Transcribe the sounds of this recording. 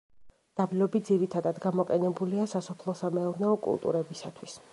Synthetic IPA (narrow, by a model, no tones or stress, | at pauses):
d̪̥abilɔbid̪ziɾit̪ʰad̪ad̪ɡamɔqʼɛnɛbuliasasɔpʰlˠɔsamɛuɾnɛɔkʼṵlˠt̪ʼṵɾɛbisat̪ʰwis